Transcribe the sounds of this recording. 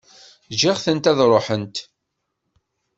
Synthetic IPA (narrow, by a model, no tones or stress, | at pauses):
ʒɪʁθənt̪æðɾˤoħənt̪